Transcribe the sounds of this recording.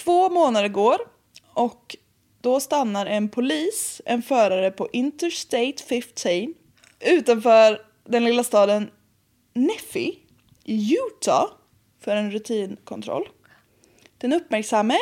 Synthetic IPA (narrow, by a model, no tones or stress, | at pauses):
t̪ʰvoːmoːnad̪əɾɡoːɾ | ɔk | d̪̥ɔst̪anːaɾɛnpʰʊliːsɛ̰nfœːɾaɾəpʰɔʔɪnt̪əɾst̪eɪt̪fɪft̪ʰiːn | ʉ̟ːt̪anfœːɾ | d̪ɛnlɪlːast̪ɑːd̪ənː | ɛfɪ̰ | jʉːt̪ʰa̰ | fœɾɛnɾɵt̪ʰiːnkʰɔ̰nt̪ʰɾɔ̰lː | d̪ɛnɵpːmæɾksamːə